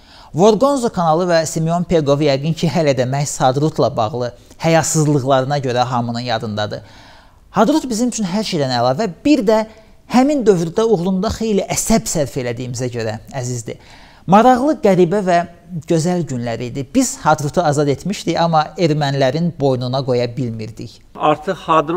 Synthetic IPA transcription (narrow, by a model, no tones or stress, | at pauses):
vo̞ɾɡo̞nzokʰɑnɑlˠɯvæsimeo̞npʰe̞ɡo̞vjæɡɯncʰiɦælæd̪æmæçshɑd̪ɾut̪ʰlˠɑbɑ̰ʁlˠɯ | hæjɑt̪sɯzlˠɯɣlˠɑɾɯnɑɟø̞ɾæɦɑmɯnɯnjɑd̪ɯnd̪ɑd̪ɯ | hɑd̪ɾut̪bizimyt͡ʃʰynɦæɾʃejd̪ænælˠɑːvæb̥iɾd̪æ | hæmind̪ø̞vɾyd̪æuʁlˠund̪ɑχe̞jliʔæsæbsæɾfe̞læd̪ijimizæɟø̞ɾææzizd̪ḭ | mɑɾɑʁlˠɯɡæɾibævæ | ɟø̞zælɟynlæɾid̪ibiz̥hɑd̪ɾut̪ʰuɑzɑd̪e̞t̪miʃd̪içɑmːɑe̞ɾmænlæɾinbo̞jnunɑɡo̞jɑbilmiɾd̪ḭç | ɑɾt̪ʰɯqhɑd̪ɾ